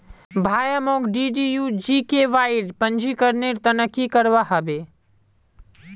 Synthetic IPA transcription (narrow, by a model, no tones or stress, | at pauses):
bʱaːjəmoːɡɖiɖijud͡ʒiːkeʋaːɪɖpə̃ɲd͡ʒʱikəɾneɾt̪ɐnəkikəɾʋaɦɐbeː